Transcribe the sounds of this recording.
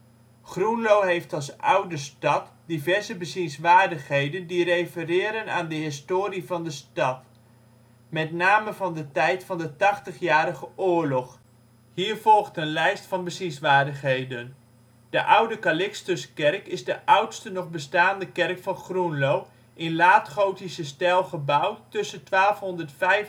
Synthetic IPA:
χrunlowɦejftɑlˠsʔʌwdəstɑtdivɛɹzəbəzinsʋaːɹdəχɦejdəndirejfərɪːɾənaːndəɦɪstoːɾivɑndəstɑt | mɛtnaːməvɑndətɛjtfɑndətɑχtəχjaːɾəχəʔʊːɹlɔχ | hiːɹvɔlˠχtənlɛjstfɑnbəsinsʋaːɹdəχɦejdən | d̥əʔʌwdəkalɪkstəskɛrkɪzdəʔʌwtstənɔχbəstaːndəkɛrkfɑnχrunlow | ʔɪnlaːtχowtisəstɛlˠχəbʌwtɵsəntʋaːlˠfɦɔndəɹtfɛjf

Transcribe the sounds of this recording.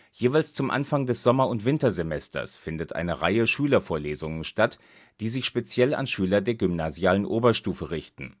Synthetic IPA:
jeːvaɪlst͡sʊmʔa̰nfaŋdɛsz̥ɔmɐʊntv̥ɪntɐzemɛstɐ̰sfɪndətʔa̰ɪnəʁa̰ɪəʃyːlɐfoːɐleːzʊŋənʃtat | d̥iːzɪçʃpet͡sjɛla̰nʃyːlɐdeːɐɡʏmnaːzjaːlənʔoːbɐʃtuːfəʁɪçtn̩

